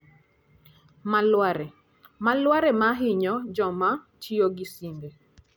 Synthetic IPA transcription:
malwaɾɛ | malwaɾɛmaɦɪɲɔd͡ʒɔma | t͡ʃioɡisimbe

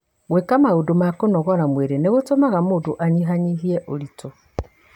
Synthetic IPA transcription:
ɣwekamaodomakonɔɣɔɾamweɾeneɣotomaɣamodoʔaɲiɦaɲiɦiɛʔoɾito

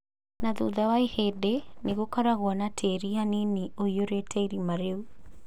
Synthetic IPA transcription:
naðuðawaehedeneɣokaɾaɣwɔnatʰeɾihanineoioɾetʰɛiɾimaɾeu

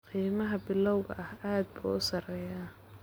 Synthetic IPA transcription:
qiːmɐɦɐbɪlɔwɣɐ̰ʔɐhaːd̪̚bṵːʊsɐrɛːjaː

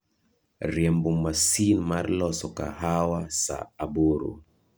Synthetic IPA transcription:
ɾjɛmbumasinmaɾlɔsɔka̰hawasa̰ːboɾṵ

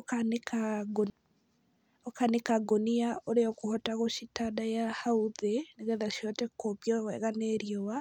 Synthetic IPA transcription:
okanekaɡo | okanekaɡoniaʔoɾeɔkuhɔtaɣoʃitadajahauðeneɣeðaʃiɔtɛkoβjɔwɛ̰ɣaneɾijowa

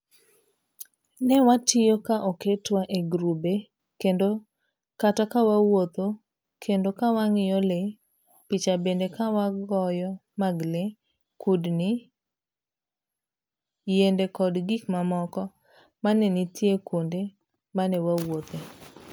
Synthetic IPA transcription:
nɛwatɪjokaʔɔketwaʔeɡɾube | kendo | katɔkawawot̪o | kʰendokawaŋɪjɔle | pit͡ʃabendekawaɡɔjɔmaɡle | kudni | jendekɔdɡikmamɔkɔ | manɛnitjekwonde | manɛwawot̪e

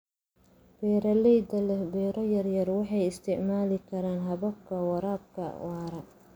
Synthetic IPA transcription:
b̥ɛːɾɐlɛjd̪ɐlɛbɛːɾɐjɐrjɐrwɑħɑjɪst̪ʰɪʕmaːlɪkʰɐɾaːnɦɐβɐb̚kʰɐwɑɾaːb̚kʰɐ̰wɑːɾɐ

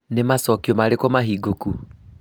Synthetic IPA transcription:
nemasɔkiɔmaɾekomaɦiɡoku

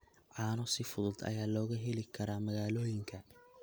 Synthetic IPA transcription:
ʕɑːnɔsɪfʊðʊd̪ɐ̰jaːlɔːɣɐɦɛlɪkʰɐɾaːmɐɣaːlɔːjɪŋkʰɐ

